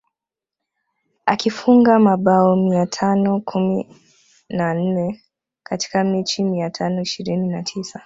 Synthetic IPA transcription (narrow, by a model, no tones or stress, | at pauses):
akifuŋɡamaɓaɔmiatʰanɔkʰumi | nan̩nɛ | kati̥kamit͡ʃimiatʰanɔiʃiɾininatʰisa